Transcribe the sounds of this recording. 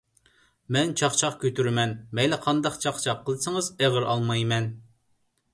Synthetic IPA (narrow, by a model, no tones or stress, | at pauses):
mɛnt͡ʃʰɑχt͡ʃʰɑqkʲʰøt̪yɾɪmɛnmɛjlɛqʰɑnd̪ɑqt͡ʃʰɑχt͡ʃʰɑqʰːəlˠd̪ɨsɨŋɨzeʁəɾʔɑlˠmɑjmɛn